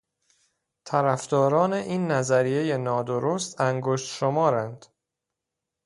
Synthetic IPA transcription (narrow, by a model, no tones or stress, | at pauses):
t̪ʰæɾæfd̪ɒːɾɒːne̞ʔiːnːæzæɾije̞je̞nɒːd̪oɾost̪æŋɡoʃt̪ʃomɒːɾænd̪̥